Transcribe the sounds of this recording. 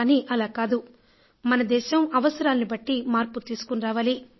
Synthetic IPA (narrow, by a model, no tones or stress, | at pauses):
niːʔɐlaːkaːd̪u | mɐnɐd̪ɛːʃɐmɐʋɐsɐɾaːlɐnibɐʈːimaːɾput̪iːsu̥kunɾaːʋaːli